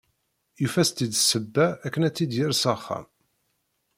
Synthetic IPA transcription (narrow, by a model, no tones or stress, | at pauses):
jufæst̪id̪səbːæːkːənæt͡sːid̪jɪɾsɑχːæ̰m